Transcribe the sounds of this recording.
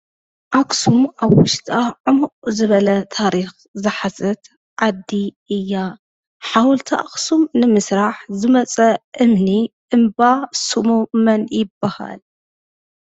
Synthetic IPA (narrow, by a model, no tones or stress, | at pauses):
ʔaksumaβwʊʃt̪ʼaʕʊmuʔʼzɨβɐlɐt̪ʰaɾix | zɨħasʼɐt̪ | ʕad̪ːiʔɨjːa | ħawɔlt̪ʰaʔa̰ksumnɨmɨsɾaħzɨmɐt͡sʼɐʔɨmniʔɨmbasumumɐnjɪbːaha̰l